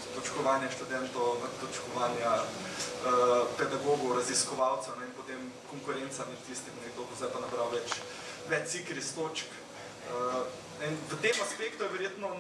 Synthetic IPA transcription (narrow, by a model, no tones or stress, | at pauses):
t̪ɔt͡ʃkɔʋaːnjaʃt̪ud̪ɛnt̪ɔwət̪ɔt͡ʃkɔʋaːnja | əpɛd̪aɡoːɡɔɾɐziskɔʋaːwt̪sɛnɛinpot̪eːmkɔŋkʊɾent̪samɛt̪t̪ist̪imnɛɡd̪oːɡozajpanɐbɾawʋɛt͡ʃ | ʋɛt͡ʃ̪sikɾist̪oːt͡ʃk | ə | inʋət̪emaspekt̪ujɛʋɛɾjeːt̪nɔ